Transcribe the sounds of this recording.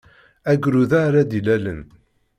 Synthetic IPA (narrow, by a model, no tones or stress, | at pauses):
æɡɾuðaɾad̪ilælə̰n